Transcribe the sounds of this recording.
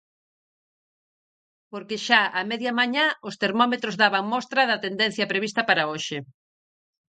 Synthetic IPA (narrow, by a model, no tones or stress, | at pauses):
poɾkeʃaamɛðjamaɲaost̪eɾmɔmet̪ɾozðaβaŋmɔst̪ɾɐðɐt̪end̪en̟θjɐpɾeβist̪ɐpaɾaoʃɪ